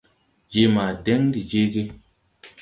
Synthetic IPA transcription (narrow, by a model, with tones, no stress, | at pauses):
d͡ʒe˦ma˨dɛ˦ŋdi˨d͡ʒe˦ɡe˦